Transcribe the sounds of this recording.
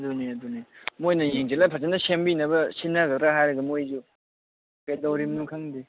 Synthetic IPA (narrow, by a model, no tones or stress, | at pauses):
duneɐdunemojnɐjeŋd͡ʒelapʰat͡ʃenːɐsembinɐbɐsinːɐɡɐɾaɦajɾɐɡɐmojzu | kedawɾimnuŋkʰaŋdi